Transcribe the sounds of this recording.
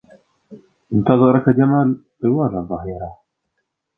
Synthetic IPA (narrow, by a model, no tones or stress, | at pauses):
ʔɪnt̪ɑðˤɨɾˤɑkad͡ʒamaːl | ɾɪwɑːɾˤɑðˤɑɦiːɾˤɑ